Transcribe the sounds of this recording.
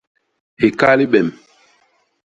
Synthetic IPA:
he˨ka˦li˦ɓɛ˨m

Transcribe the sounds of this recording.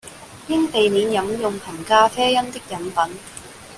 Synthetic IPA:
jɪ˥ŋt̪e˨jniː˨˥njɐ˨˥mjʊ˨ŋpʰɐ˨˩nkaː˥fɛː˥jɐ˥nt̪ɪ˥k̚jɐ˨˥npɐ˨˥n

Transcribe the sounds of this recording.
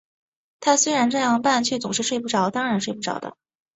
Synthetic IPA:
t̪ʰa˥swe˥ɪɻa˧˥nʈ͡ʂɤ˥˧jɑ˥˧ŋpa˥˩nt͡ɕʰɥɛ˥˩t͡sʊ˨˩ŋʂɻ̩˥˧ʂwe˥˧ɪp̬u˥˩ʈ͡ʂɑ˨˩˥ʊt̪ɑ˥ŋɻa˧˥nʂwe˥˧pu˥˩ʈ͡ʂɑ̰˨˩ʊd̪ə̰˦

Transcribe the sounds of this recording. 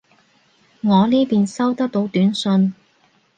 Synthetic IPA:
ŋɔː˨˧liː˥piː˨nsɐ˥wt̪ɐ˥k̚t̪o˧˥wt̪yː˨˥nsɵ˧n

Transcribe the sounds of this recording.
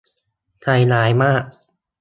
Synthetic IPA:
t̪ʰa˧jnaː˩˦˥jmaː˥˩k̚

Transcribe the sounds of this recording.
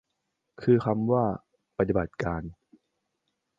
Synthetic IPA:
kʰɯː˧kʰa˧mwaː˥˩ | pa˨˩t̪̚t̪i˨˩ba˨˩t̪̚kaː˧n

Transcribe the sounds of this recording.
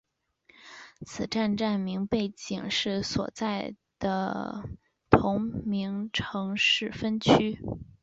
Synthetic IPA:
t͡sʰɹ̩˨˩ʈ͡ʂa˥˧nʈ͡ʂa˥˩nmi˧˥ŋpe˥˩ɪt͡ɕi˨˩ŋʂɻ̩˥˩swɔ̰˨˩t͡sa˥˩ɪ | d̪̥ə˩ | t̪ʰʊ˧˥ŋmi˧˥ŋʈ͡ʂʰɤ˧˥ŋʂɻ̩˥˩fə˥nt͡ɕʰy˥

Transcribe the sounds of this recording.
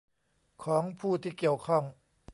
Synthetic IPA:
kʰɔː˩˦ŋpʰuː˥˩t̪ʰiː˥˩ki˨˩əwkʰɔ˥˩ŋ

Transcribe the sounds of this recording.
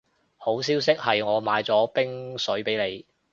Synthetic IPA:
ho˨˥ws̬iː˥ws̬ɪ˥k̚hɐ˨jŋɔː˨˧maː˨˧jt͡sɔː˨˥pɪ˥ŋsɵ˨˥ɥpe˨˥jle˨˧j

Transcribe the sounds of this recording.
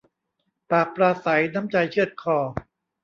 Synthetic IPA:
paː˨˩k̚pɾaː˧sa˩˦jna˦˥mt͡ɕa˧jt͡ɕʰɯ˥˩ət̪̚kʰɔː˧˩

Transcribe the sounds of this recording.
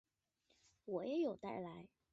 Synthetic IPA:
wɔ˨˩jɛ˧˥jo˨˩ʊt̪a̰˥˩ɪla˧˥ɪ

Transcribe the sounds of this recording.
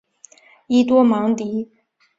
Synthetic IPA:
i˥t̪wɔ˥mɑ˧˥ŋt̪i˨˧˥

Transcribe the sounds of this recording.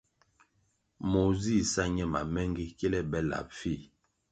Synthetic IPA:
mo˨zi˦˨sa˦ɲɛ˦ma̰˨mɛ˦ŋɡi˦kɛ˦lɛ˦bɛ˦la̰˨p̚fi˦˨

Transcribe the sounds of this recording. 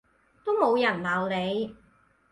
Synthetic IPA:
t̪o˥wmo˨˧wjɐ˨˩nlaː˨˩wle˨˧j

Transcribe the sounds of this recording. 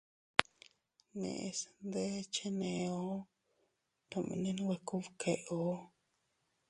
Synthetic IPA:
nḛ̃˧˨ʔe˧snd̪e˦t͡ʃe˦nẽ˨˧o˦ | t̪a˧mḭ̃˧nĩ˦nĩ˦we˧ku˦βkʰe˨ʔo˦

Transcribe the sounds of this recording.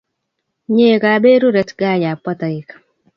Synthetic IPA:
ɲeː˦˨ka˨be˦ɾu˦ɾɛ˨˦tɡaː˦˨ja˨pːɔ˦ta˨i˨ka˨

